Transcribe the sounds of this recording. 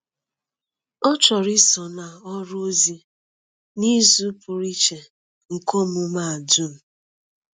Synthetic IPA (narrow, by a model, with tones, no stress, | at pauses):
ɔ˦t͡ʃɔ˨ɾi˦sɔ˨na˨ɔ˦ɾʊ˦zi˦ | ni˦zu˦pʊ˨ɾi˦t͡ʃe˨ | ŋ̩˨ko˦mʊ˨ma˦˨a˨du˦m̩˨